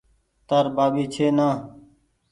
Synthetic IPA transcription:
t̪əɾbaːbiːt͡ʃʰeːnãː

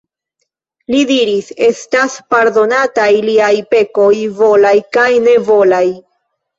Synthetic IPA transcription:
lidiɾise̞staspaɾd̪o̞natajliajpe̞ko̞jvo̞lajkajne̞vo̞laj

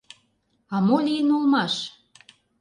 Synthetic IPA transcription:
ɑmolʲijənolmɑʃ

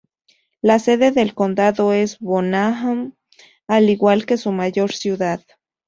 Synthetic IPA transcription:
laseðeðelkond̪aðoesβonaɦam | aliɣwalkesumaʝoɾsjuðað

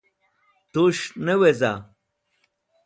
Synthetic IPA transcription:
t̪uʂneweza

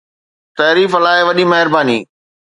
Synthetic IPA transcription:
t̪ɐːɾiːfɐlaːɪʋɐɗimɐɦɪɾbaːnḭː

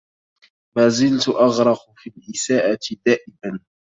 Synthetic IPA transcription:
maːzɪlt̪ʊʔɑɣɾˤɑqfilʔɪsaːʔad̪aːʔɪban

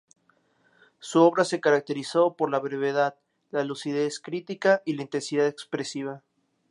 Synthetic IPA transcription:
suoβɾase̞kaɾak̚t̪e̞ɾiso̞po̞ɾlaβɾe̞βeðað | lalusið̞e̞skɾit̪ikaʔilaint̪e̞nsiðaðekspɾe̞siβ̞a

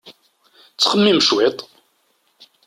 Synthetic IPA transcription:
t͡sːχəmːiməʃwɪt̪ˤ

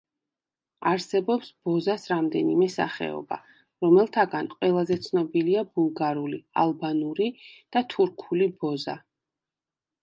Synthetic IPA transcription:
aɾsɛbɔpsb̥ɔzasɾamd̪ɛnimɛsa̰χɛ̰ɔ̰ba̰ | ɾɔmɛlˠt̪ʰaɡanqʼwɛlˠazɛt̪sʰnɔbiliabulˠɡaɾulia̰lˠbanuɾid̪̥at̪ʰuɾkʰulibɔza̰

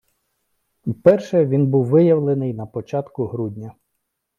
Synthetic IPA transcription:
wpɛrʃɛʋʲinbuwʋɪjɐwlˠenɪjnɐpɔt͡ʃɑt̪kʊɦɾudʲnʲɐ

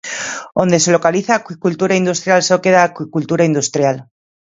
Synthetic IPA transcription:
o̞nd̪e̞se̞lo̞kaliθaːkwikult̪uɾaind̪ust̪ɾjalsokeðaːkwikult̪uɾaind̪ust̪ɾjal

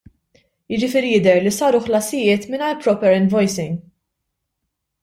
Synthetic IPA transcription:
jɪd͡ʒɪfɪːɾijɪd̪ɛɾlisɐːɾʊħlɐsɪjɪːt̪mɪnɐlpɾɔːpɛɾɛnvɔjsɪŋɡ

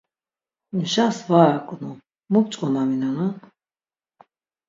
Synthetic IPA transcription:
nʃasvakʼnu | muk̚t͡ʃʼkʼɔmaminana

